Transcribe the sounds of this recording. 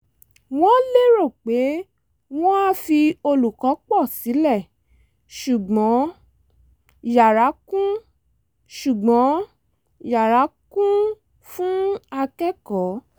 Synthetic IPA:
w̃ɔ̃˦le˦ɾo˦˨k͡pe˨˦ | w̃ɔ̃˦a˦fi˧o˧lu˨kɔ˨˦k͡pɔ˦˨si˨˦lɛ˦˨ | ʃu˨ɡ͡bɔ̃˨˦ | ja˨ɾa˨˦kũ˦ | ʃu˨ɡ͡bɔ̃˨˦ | ja˨ɾa˨˦kũ˦ | fũ˦a˧kɛ˦kɔ˨˦

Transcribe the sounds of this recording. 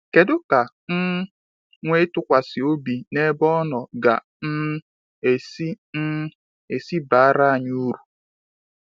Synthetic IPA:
ke˨dʊ˦ka˨ | ŋ̩˦ | ŋʷe˦tʊ˦kʷa˨sɪ˨o˦bi˨ne˦bɔ˦nɔ˨ɡa̰˨ | n̩˦ | e˨si˦ | e˨si˦ba˨a˦ɾa˦a˨ɲu˦ɾu˨

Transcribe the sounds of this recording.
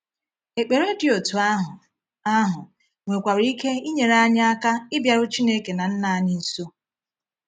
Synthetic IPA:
e˨k͡pe˨ɾe˦dɪ˨o˨tu˨˦ɦ | a˦ɦʊ˨ | ŋʷe˨kʷa˨ɾi˦ke˦i˦ɲe˨ɾa˦ɲ˦a˦ka˦ɪ˦bja˨ɾʊ˦t͡ʃi˦ne˦ke˨na˨n̩˦na˨ɲi˦n̩˦so˦

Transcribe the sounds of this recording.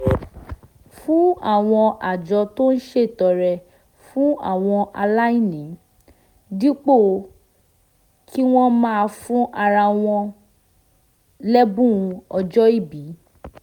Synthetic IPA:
fũ˦a̰˦˨w̃ɔ̃˧ʔa˨d͡ʒɔ˧to˦n̩˦ʃe˦˨tɔ˨˧ɾɛ˧ | fũ˦a̰˦˨w̃ɔ̃˧ʔa˧la˦i˦˨nĩ˨˦ | di˦k͡po˦˨ | kʰi˦w̃ɔ̃˦mã˦a˧fũ˦ʔa˧ɾa˧w̃ɔ̃˧ | lɛ˦bũ˦˧ɔ˧d͡ʒɔ˦i˦˨bi˨˦

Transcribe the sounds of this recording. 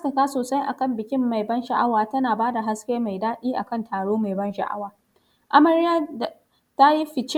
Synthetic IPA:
tɪ˨kaː˦soː˨sa˦jʔa˨kɐ˦˨mbɪ˨kʲɪ˦mːa˨jbɐ˦nʃɐ˨ʔa˦waː˨tɐ˦naː˨baː˦da˨ɦa˦skʲeː˦ma˨jdaː˦ɗiː˦ʔa̰˨kɐ˦˨ntʰaː˨ɽoː˦ma˨jbɐ˦nʃɐ̰˨ʔa̰˦waː˨ | ʔa˦mɐ˨ɾɪ˦ja˦˨ | ta˦ji˦ɸɪ˨t͡ʃ

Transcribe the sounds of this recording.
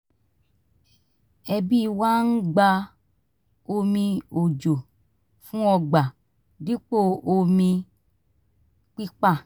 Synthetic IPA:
ɛ˧bi˦˨wa˦n̩˦ɡ͡ba˧ | o˧mĩ˧o˨d͡ʒo˨ | fũ˦ɔ˧ɡ͡ba˨ | di˦k͡po˦˨o˧mĩ˧ | k͡pi˦k͡pa˦˨

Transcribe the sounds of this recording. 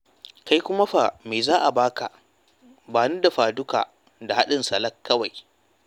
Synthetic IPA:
ka˦jkʷʊ˦ma˦ɸa˨meː˨zaː˦ʔa˨baː˦ka̰˨ | baː˨nu˦da˨ɸaː˨dʊ˦ka̰ː˨ | da˨ha˦ɗɪ˨nsɐ˨lɐ˦kːɐ˦wa˨j

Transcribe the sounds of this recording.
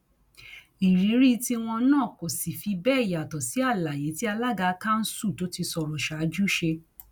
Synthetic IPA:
i˨ɾi˨˦ɾi˦ti˦w̃ɔ̃˧nãː˦˨ko˨si˨fi˧bɛː˦˨ja˨tɔ˨si˨˦a˦˨la˨j̃ẽ˨˦ti˦a˧la˦ɡa˧kã˦n̩˦su˦˨to˦ti˧sɔ˧ɾɔ˨ʃa˨˦d͡ʒu˦ʃe˧

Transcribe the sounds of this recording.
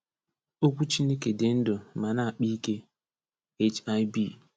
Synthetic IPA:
o˦kʷu˦t͡ʃi˦ne˦ke˨dɪ˨n̩˦do˨ma˨na˦a˨k͡pi˦ke˦ | e˦t͡ʃa˦jbi˦˨

